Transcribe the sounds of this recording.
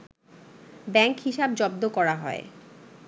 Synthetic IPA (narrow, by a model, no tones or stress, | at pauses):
bɛŋkhiʃab̚d͡ʑɔb̚d̪okɔɾaɦɔḛ